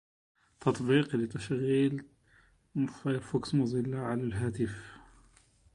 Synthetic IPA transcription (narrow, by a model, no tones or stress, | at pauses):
t̪ʰɑt̪ˤbiːqlɪt̪aʃɣiːl | ffʊksmʊzˤɪlːaʕalalɦaːt̪ɪf